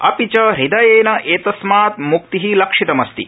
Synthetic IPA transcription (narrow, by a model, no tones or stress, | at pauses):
ɐpit͡ʃɐɾid̪ɐjeːnɐʔeːt̪ɐsmaːt̪muk̚t̪iɦilɐkʂit̪ɐmɐst̪ḭ